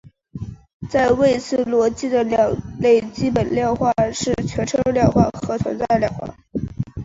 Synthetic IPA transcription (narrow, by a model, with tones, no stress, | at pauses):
t͡sa˥˧ɪwe˥˧ɪt͡sʰɹ̩˥˩lwɔ˧˥t͡ɕi˥d̪ə˨ljle˥˩ɪt͡ɕi˥pə˨˩nljɑ˥˧ŋxwa˥˧ʂɻ̩˥˩t͡ɕʰɥɛ˧˥ʈ͡ʂʰɤ˥ʊljɑ˥˧ŋxwa̰˥˩xɤ˧˥t͡sʰwə̰˧˥nt͡sa˥˧ɪljɑ̰˨˩ŋxwa̰˥˩